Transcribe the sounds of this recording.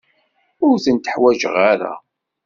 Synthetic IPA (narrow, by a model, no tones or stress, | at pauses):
ʊɾθənt̪ə̥ħwæʒə̰ʁaɾæ̰